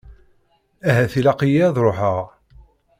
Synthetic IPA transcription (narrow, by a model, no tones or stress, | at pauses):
æɦæθilæqijiðˤɾˤoħəʁ